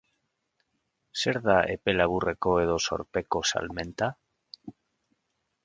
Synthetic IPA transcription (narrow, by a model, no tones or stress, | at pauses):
seɾðaʔḛpelaβurekoeðoso̰ɾpekosa̰lmẽnt̪a